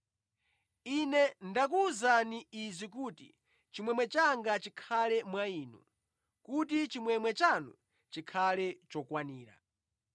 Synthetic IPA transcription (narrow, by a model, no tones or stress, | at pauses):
inɛndak̬uːzaniizʷikuːtḭ | t͡ʃimwɛmwɛt͡ʃaŋɡat͡ʃikʰalɛmwaiːnṵ | kutit͡ʃimwɛmwɛt͡ʃanṵ | t͡ʃikʰalɛt͡ʃɔkwaniːɾa̰